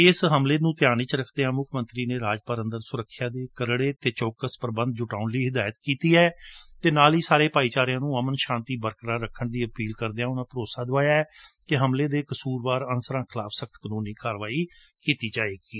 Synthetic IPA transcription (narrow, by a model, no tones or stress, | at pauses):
ɪːsɦəmleːnũːt̪ɪjaːniːt͡ʃɾəkʰd̪eːãːmʊkʰmə̃nt̪ɾiːneːɾaːd͡ʒpəɾənd̪əɾsʊɾəkʰːjaːd̪eːkəɾɽeːt̪eːt͡ʃoːkəspəɾbə̃nd̪̚d͡ʒʊʈaːnliːɦɪd̪aːjət̪kiːt̪iːɛːt̪eːnaːliːsaːɾeːpaːiːt͡ʃaːɾɪjãːnũːəmənʃãːnt̪iːbəɾkɾaːɾəkʰːəɳd̪iːəpiːlkəɾd̪eãːʊnãːpəɾoːsaːd̪ʊaːjaːɛːkɪɦəmleːd̪eːkəsuːɾbaːɾənsəɾãːkʰɪlaːpʰsəkʰt̪kənũːniːkaːɾʋaːiː | kiːt̪iːd͡ʒaːeːɡiː